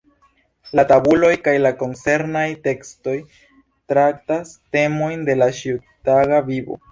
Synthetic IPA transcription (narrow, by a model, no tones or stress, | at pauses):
latabulo̞jkajlako̞nt͡se̞ɾnajte̞ksto̞j | tɾak̚taste̞mo̞jnde̞laʃiutaɡavibo̰